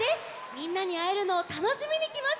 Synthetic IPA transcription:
esɨ̥ | mʲĩnːaɲ̟iaeɾɯ̟no̞ːt̪ano̞ɕimʲiɲ̟ikʲimaɕ

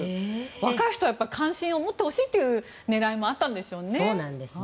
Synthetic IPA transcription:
βakaiçi̥t̪ojapːaɾʲikʰãɰ̃ɕĩo̞mot̪ːe̞ho̞ɕiːt̪ːe̞jɯ̟ | ne̞ɾaimo̞at̪ːãnd̪e̞sɨjoneonãnd̪es

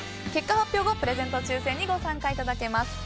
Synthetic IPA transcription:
ke̞kːahapʲːjo̞ːɡopɯ̟ɾe̞zẽ̞nt̪o̞t͡ɕɨːsẽ̞ɲ̟ːiɡo̞sãŋkait̪ad̪ake̞masɨ̥

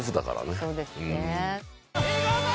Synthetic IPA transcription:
zɨd̪aka̰ɾa̰neso̞ːd̪esɨɯ̃ne

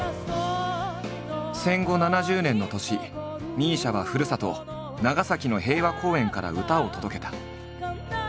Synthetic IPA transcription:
sẽ̞ŋɡo̞nanaʑɨːnẽ̞nːo̞t̪o̞ɕi | ɲʲĩːɕaβaɸɯ̟ɾɯ̟sat̪o̞̰ | naɡasakʲino̞ɦe̞ːβakʰo̞ːẽ̞ŋkaɾa̰ɯ̟t̪ao̞t̪o̞d̪o̞ke̞t̪ḁ

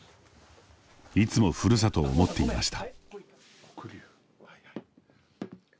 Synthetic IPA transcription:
it͡sɨmo̞ɸɯ̟ɾɯs̬at̪o̞ːmo̞t̪ːe̞ima̰ɕi̥t̪ḁ

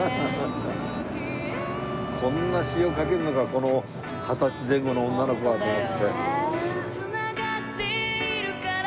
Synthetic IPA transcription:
kʰõ̞nːaɕioːkake̞ɾɯ̟nokakono̞ | hat̪at͡ɕizẽ̞ŋɡo̞noõnːano̞ko̞βad̪omad̪se | ɨnaɡat̪ːeɾk

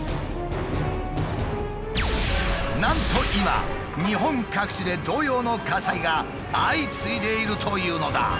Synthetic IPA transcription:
nãnt̪o̞ʔima̰ | ɲ̟iɦõ̞ŋkakɯ̟̥t͡ɕid̪e̞d̪o̞ːjo̞ːno̞kasaiɡa | ait͡sɨid̪e̞iɾɯ̟t̪ʰo̞jɯ̟ːno̞d̪a̰

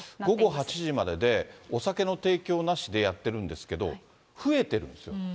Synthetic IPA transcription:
ɡo̞ɡo̞ɦat͡ɕiʑimad̪e̞d̪e̞osake̞no̞t̪e̞ːkʲo̞ːnaɕid̪e̞jat̪ːe̞ɾɯ̟̃nd̪e̞sɨ̥ke̞d̪o̞̰ | ɸɯ̟e̞t̪e̞ɾɯ̟̰̃nd̪esɨjo

